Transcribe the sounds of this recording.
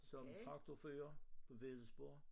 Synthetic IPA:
sɒ̽mfʰɑ̈ɡ̥t͡sʰofø̰ːɐpʰɒ̽ʋesb̥o̝ɐ̰

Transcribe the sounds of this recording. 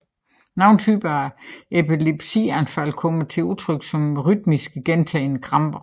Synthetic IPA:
nɑ̈ʊnt͡sʰyːb̥ɐepʰileb̥sḭːænfæl̰kʰɔ̽mət͡sʰe̝lut͡sʰʁœɡ̥sɒ̽mʁyd̥̚misɡ̥əɡ̥ent͡sʰɛɪnəkʰʁɑ̈mb̥ɐ

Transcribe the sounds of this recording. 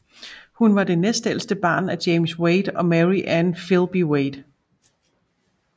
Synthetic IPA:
hunʋɑ̈d̥e̝nesd̥el̰sd̥əb̥ɑ̰̈ːnæd̥eɪmsweɪd̥ɒ̽mæʁiʔænfilˠb̥iweɪd̥

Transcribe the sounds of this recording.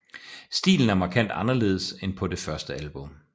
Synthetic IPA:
sd̥ḭːln̩æɐmɑ̈kʰæn̰d̥ɑ̈nɐle̝̰ːð̞̩ˠəsenpʰɒ̽de̝fɶɐsd̥əælb̥ɔ̽m

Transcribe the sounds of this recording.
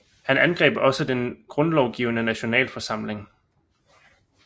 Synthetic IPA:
hænænɡ̥ʁɛ̰ːb̥ɒ̽səd̥enɡ̥ʁɔ̽nlɒʊɡ̥ḭːʊnənæɕo̝nɛ̰ːlfɒ̽sɑ̈m̰le̝ŋ

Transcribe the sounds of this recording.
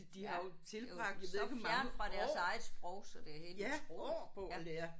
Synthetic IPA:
d̥ihɑ̈jo̝t͡sʰe̝lʁɑ̈ɡ̥̚d̥jʋeɡ̥mɑæɐnfʁɑ̈d̥æɐssɑ̈ɪð̩ˠsb̥ʁɔʊ̰sɒ̽d̥e̝æɐhḛːljæpʰɔ̽d̥eæɐ

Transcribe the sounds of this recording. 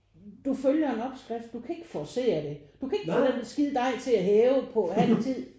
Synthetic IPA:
d̥uføljɐe̝nɒ̽b̥sɡ̥ʁɛfd̥̚d̥ukʰæe̝ɡ̥ə̥fɒse̝̰ːɐd̥e̝d̥ukʰæe̝ɡ̥əænænsɡ̥ið̰ˠd̥ɑ̈ɪt͡sʰe̝læɦeːʊpʰɒ̽hænt͡sʰið̰ˠ

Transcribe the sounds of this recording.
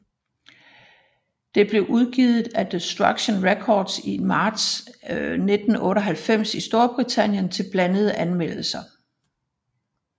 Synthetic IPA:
d̥e̝b̥le̝ʔuðˠɡ̥iðˠð̩ˠæd̥esd̥ʁɑɡ̥ɕonʁekʰɒːd̥simɑ̈ːd̥s | ned̥n̩ɔ̽ːɾɒɦælfem̰sisd̥o̝ɐb̥ʁit͡sʰæn̰jənt͡sʰe̝lb̥lænəð̞̩ˠəʔænmel̰l̩sɐ

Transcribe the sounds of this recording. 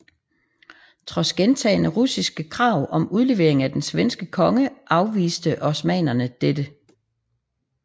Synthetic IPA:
t͡sʰʁɒ̽sɡ̥ent͡sʰɛ̰ːnəʁusisɡ̥əkʰʁɑ̈ʊ̰ʔɒ̽muð̞ˠle̝ʋe̝ɐe̝ŋ̩æd̥ensʋensɡ̥əkʰɒ̽ŋəʔɑ̈ʊʋḭːsd̥əʔɒ̽smɛ̰ːnɐnəd̥ed̥ə

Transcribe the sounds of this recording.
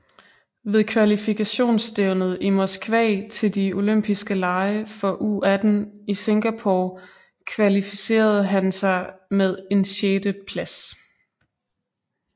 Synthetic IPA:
ʋe̝ðˠkʰʋælifikʰæɕo̝̰ːnsd̥eʊnð̩ˠimo̝sɡ̥ʋɛ̰ːt͡sʰe̝ld̥io̝løm̰b̥isɡ̥əlɑ̈ɪəfɒ̽ʔṵːæd̥n̩ise̝ŋɡ̥æpʰoː | kʰʋælifise̝̰ːɐð̞̩ˠɦænsɑ̈ɪmeð̞ˠe̝nɕeːd̥əpʰlæs

